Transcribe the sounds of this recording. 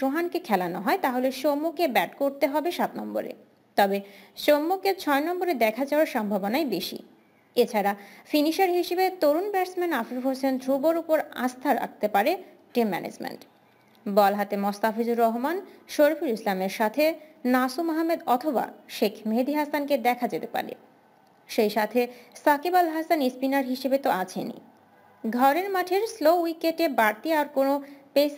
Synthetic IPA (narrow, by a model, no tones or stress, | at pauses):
ʃoɦankekʰɛlanoɦɔet̪aɦoleʃomːokebɛʈkoɾt̪eɦɔbeʃat̪nɔmbo̰ɾḛ | t̪ɔbeʃomːoket͡ɕʰɔenɔmboɾed̪ɛkʰad͡ʑaaɾʃɔmbʱabonaebeʃḭ | et͡ɕʰaɾafiniʃaɾɦiʃebet̪oɾunbɛɾsmenafeɦosend̪ʱɾuboɾupoɾã̰st̪ʰaɾa̰k̚t̪epaɾe | ʈimːɛ̰nḛd͡ʑmḛɳʈ | bɔlɦat̪emost̪afid͡ʑuɾɔɦmanʃoɾfʰiɾislameɾʃat̪ʰenasumaɦamːed̪ɔt̪ʰoba̰ʃekʰmed̪iɦasanked̪ɛkʰad͡ʑet̪epa̰ɾḛ | ʃejʃat̪ʰesakibalɦasanispinaɾɦiʃebet̪oat͡ɕʰḛnḭ | ɡʱɔɾeɾmaʈʰeɾslowikeʈebaɾt̪iaɾkonopes